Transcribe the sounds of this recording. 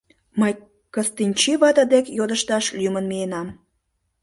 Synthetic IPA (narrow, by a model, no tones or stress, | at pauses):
məj | kəst̪inʲt͡ɕiβɑt̪ɑd̪ekjod̪əʃt̪ɑʃlymənmienɑm